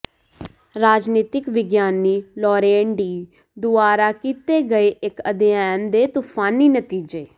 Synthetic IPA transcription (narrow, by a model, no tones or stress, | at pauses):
ɾaːd͡ʒniːt̪ɪkʋɪɡjaːniːlɔːɾeːɳɖiː | d̪ʊaːɾaːkiːt̪eːɡəeːʔɪkəd̪ɪjaːnd̪eːt̪upʰaːniːnət̪iːd͡ʒeː